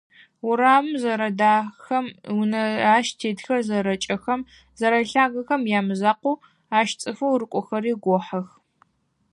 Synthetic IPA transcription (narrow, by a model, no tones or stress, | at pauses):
ʊɾaːmɨmzɐɾɐdaːxɐmwnɐaːʃtʰeːdxɐrzɐɾɐt͡ʃʼɐxɐm | zɐɾɐɬaːɣɐxɐmjaːmɨzaːqʷu | aːʃt͡sʼɨfɐwrɨkʷʼɔxɐɾiːɡʷɔħɐx